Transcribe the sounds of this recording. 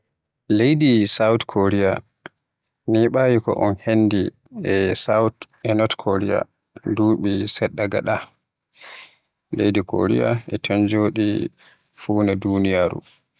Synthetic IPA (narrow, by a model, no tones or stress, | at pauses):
lejdisawtkʰoɾija | niɓaːjikɔ̰ʔɔnhenːdi | ɛsawt | ɛnɔtkʰoɾija̰ | duːɓisɛɗːaɡa̰ɗa | lejdiko̰ɾḭja̰ɛtʰɔnd͡ʒoːɗi | fuːnɛdunijaɾṵ